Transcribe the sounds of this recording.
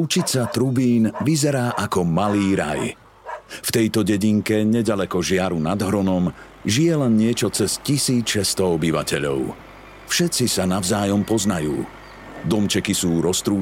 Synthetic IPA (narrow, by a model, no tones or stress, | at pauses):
ut͡ʃit͡sat̪ɾubiːnʋizɛɾaːʔakɔmaliːɾa̰j | ft̪ɛjt̪ɔɟɛɟiŋkɛɲɛɟalɛkɔʒɪaɾunad̪ɦɾɔnɔm | ʒijɛlɛnɲɪɛt͡ʃɔt͡sɛscisiːt͡sʃɛst̪ɔɔbiʋa̰cɛʎɔ̰ʊ | fʃɛt̪t͡sisanaʊzaːjɔmpɔznajṵː | d̪ɔmt͡ʃɛkisuːɾɔst̪ɾuː